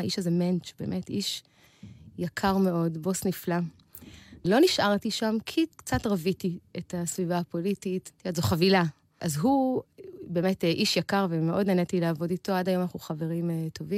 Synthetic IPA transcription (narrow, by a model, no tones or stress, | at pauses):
ʔiʃazement͡ʃbeːmʔetiʃ | jakʰaʁme̞o̞dbo̞snifla | lo̞niʃʔaʁtiʃamkʰikt͡satʁavitietasvivapo̞litittiazoχavila | ʔazɦu | be̞ːmetʔiʃjakaʁvemeʔo̞dnenetileavo̞dito̞adajo̞manaχuχave̞ʁimto̞vi